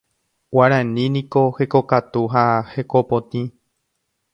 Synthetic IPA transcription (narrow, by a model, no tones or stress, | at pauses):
waɾãnĩnĩko̞he̞ko̞kat̪uɦahe̞ko̞põt̪ĩ